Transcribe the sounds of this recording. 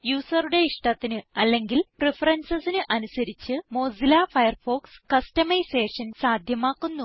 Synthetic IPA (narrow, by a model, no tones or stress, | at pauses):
juːsɐruɽe̞iʂʈɐt̪ːinɨɐlːe̞ŋɡilprefɐrɐnsɐsinɨʔɐnusɐɾit͡ɕːɨmo̞ːsilafɐjɐrfo̞ːkskɐstɐmɐjse̞ːʂɐnsaːd̪ʱjɐmaːkːunːu